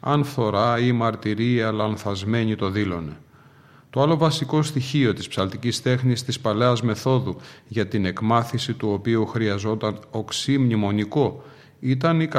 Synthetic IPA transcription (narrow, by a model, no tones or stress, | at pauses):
ɐ̰nfθo̞ɾɐimɐɾt̪iɾiɐlɐnθɐzme̞ɲit̪o̞ðilo̞ne̞ | t̪o̞ɐlo̞vɐsiko̞st̪içio̞t̪ispsɐlt̪icist̪e̞xnist̪ispɐle̞ɐzme̞θo̞ðuʝɐt̪ine̞kmɐθisit̪uo̞piuxɾiɐzo̞t̪ɐnoksimɲimo̞niko̞ | it̪ɐnikɐ